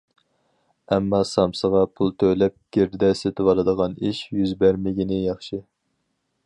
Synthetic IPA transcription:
ɛmːɑsɑmsəʁɑpʰulˠt̪ʰølɛp̚ɡʲeɾd̪ɪd̪ɛset̪ʰɪwɑɾˠɨd̪əʁɑniʃjyzbæɾmɪɡʲinɪjɑχʃɪ

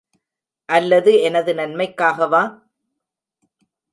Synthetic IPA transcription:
ʔɐlːɐðɯɛnɐðɯnɐnmɐɪkːaːɣɐʋaː

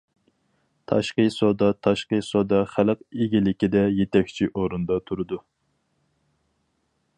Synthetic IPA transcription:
t̪ʰɑ̰ʃqəsod̪ɑt̪ʰɑʃqəsod̪ɑχæləqeɡʲilɪkʲid̪ɛjet̪ʰɛkʲt͡ʃʰiʔoɾund̪ɑt̪ʰuɾɨd̪u

